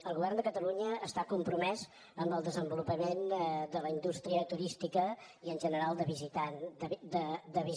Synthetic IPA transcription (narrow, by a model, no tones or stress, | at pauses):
əlˠɣuβɛrnd̪əkət̪əluɲəːst̪akumpɾumɛz | əmbəlˠd̪əzəmbulupəmend̪ələind̪ust̪ɾiət̪uɾist̪ikə | iənʲʒənəɾalˠd̪əβizit̪and̪əd̪əβi